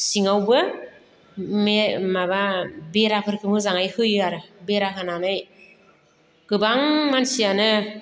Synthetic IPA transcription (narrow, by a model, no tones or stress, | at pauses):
siŋawbɯ | memababeɾapʰɯɾkʰɯmɯzaŋajhɯjɯaɾɯbeɾakʰananɯj | ɡ̥ɯbaŋmansianɯ